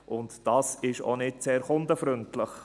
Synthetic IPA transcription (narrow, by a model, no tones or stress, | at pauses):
ʔʊntd̥ɑːsɪʃo̰nɪtseːɾχʊndəfɾʏntləχ